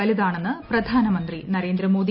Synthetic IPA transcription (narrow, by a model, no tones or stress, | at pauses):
ɐliðaːɳenːɨprɐd̪ʱaːnɐmɐnd̪rinɐɾeːnd̪ɾɐmo̞ːd̪i